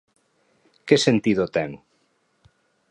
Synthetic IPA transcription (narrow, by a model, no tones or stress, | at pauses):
kesent̪iðot̪ɛŋʊ